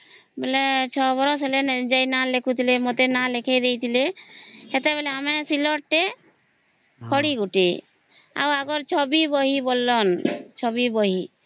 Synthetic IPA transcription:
belet͡ʃʰɔbɔɾɔseled͡ʒajnalekʰut̪ʰilemot̪enalekʰed̪ejt̪ʰileɦɛt̪eβɛleamesilɔʈʈe | kʰɔɽiɡuʈe | a̰waɡɔɾt͡ʃʰɔbibɔɦibolːɔnt͡ʃʰɔbibɔɦi

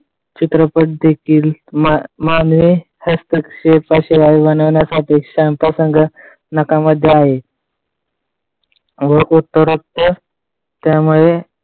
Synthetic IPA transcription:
t͡ɕit̪ɾəpəʈ̚d̪ekʰiːlmmanʋi | həst̪əkɕepaɕiʋaiʋənʋənasapekʂampɾəsəŋɡə | nəkaməd̪ʱːjeaɦe | ʋəut̪ːəɾukt̪ə | t̪jamuɭe

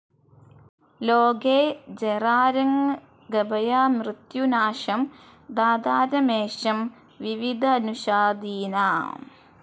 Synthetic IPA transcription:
loːɡeːd͡ʑeraːɾɐŋ | ɡɐbɐjaːmrɨt̪junaːʃɐm | d̪aːd̪aːɾɐmeːɕɐm | ʋiʋid̪ʱɐːnuɕaːd̪iːnaː

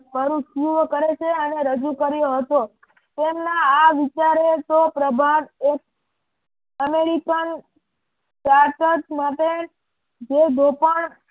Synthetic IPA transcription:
pəɾũʃjuʋkəɾet͡ʃʰeəneɾəd͡ʒukəɾjoɦət̪o | t̪emnaːʋit͡ʃaɾet̪opɾəbʱanek̚ | əmeɾikən | ʈaʈ̪ət̪maʈe | d͡ʒed̪ʱopəɳ

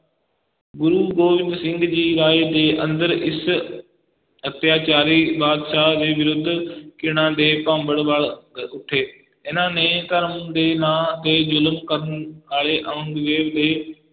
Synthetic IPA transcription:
ɡʊɾuɡoːʋɪ̃nd̪sɪ̃ŋɡd͡ʑiːɾaːed̪eːʔɐ̃nd̪əɾɪs | ɐt̪jaːt͡ɕaːɾibaːd̪ʃad͡ʑeːʋɪɾʊd̪ʱːkɪɽ̃ãːd̪eːpãːmbəɽʋaɭʊʈʰeː | ɪnãːnẽt̪ɐɾəmd̪eːnaːt̪ezʊlmkɐɾənaːɭeʔɐə̃nɡ̪ʋeːʋd̪eː

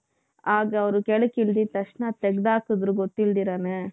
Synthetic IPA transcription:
aːɡɐɐʋɾukeɭukild̪it̪ɐʂnat̪eɡd̪aːkud̪ɾuɡot̪ːild̪iːɾane

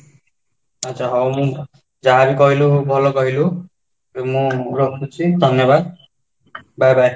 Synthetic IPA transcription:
ʌtːt͡ʃʰaɦɔwmũ | d͡zaabikɔɦilubʱɔlokɔɦilu | mũɾɔkʰut͡ʃʰid̪ʱʌnjɔbad̪̚ | bajbʱaj

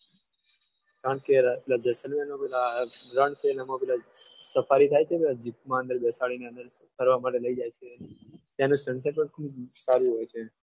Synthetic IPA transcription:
kɾãt̪keɾpelad͡ʒəsəlmenãpelaɾəɳselamãpɛlasəfaɾit̪ʰajt͡ʃʰepɛlad͡ʒipmãə̃nd̪əɾbɛsaɭineənd̪əɾkəɾʋamaʈeləid͡ʒajt͡ʃʰet̪janũsəns̬eʈpəɳkʰubd͡ʒsaɾũɦojt͡ʃʰe

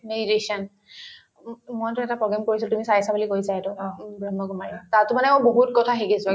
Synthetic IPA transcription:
medisɔn | mojtʊɛtapɹɔɡamkoɹisiltumisaɹisabulikojsaɛtɔbɹɔmɔɡɔmaɹiatatʊmanɛmojboɦutkɔtʰaxikisʊa

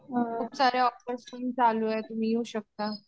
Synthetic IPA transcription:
əkʰuːpsaɾjaɔfʈəɾsuːnd͡zaloɛt̪um̤iːjuɕək̚t̪a

